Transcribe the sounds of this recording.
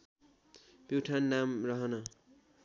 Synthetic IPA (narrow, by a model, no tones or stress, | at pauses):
piwʈʰanːamrʌɦʌnʌ